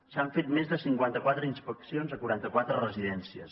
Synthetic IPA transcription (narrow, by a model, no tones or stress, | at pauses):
saɱfet̪mezðəsiŋkwant̪əkwat̪ɾəinspəksionzəkwuɾant̪əkwat̪ɾərəziðɛnsiə̰s